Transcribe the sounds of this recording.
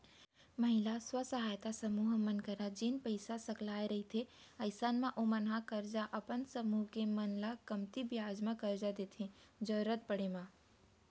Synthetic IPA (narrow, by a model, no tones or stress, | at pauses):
məɦɪlaswəsəɦaːjt̪asɐmuːɦmənkəɾad͡ʒinpəɪsasɐklaːeɾɐɦit̪ʰeɐɪsaːnmãʔomənɦakəɾd͡ʒaʔɐpənsəmuːɦkemənlakɐmt̪ibjaːd͡ʒmãkəɾd͡ʒad̪eːt̪ʰẽd͡ʒəɾət̪̚pəɽemã